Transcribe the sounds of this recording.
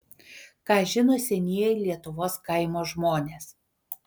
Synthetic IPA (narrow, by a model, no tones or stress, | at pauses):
kɑːʒʲɪnoːsʲɛnʲiɛɛlʲiɛt̪ʊʋoːskɐɪmoːʒmoːnʲeːs